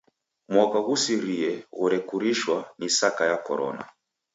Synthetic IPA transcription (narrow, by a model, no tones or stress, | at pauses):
mwakaɣusiɾiɛɣuɾɛkuɾiʃwanisakajakɔɾɔ̰na̰